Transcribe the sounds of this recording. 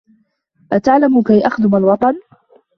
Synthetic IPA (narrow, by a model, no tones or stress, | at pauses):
ʔat̪aʕlamʊkajʔaxd̪ʊmalwɑt̪ˤɑn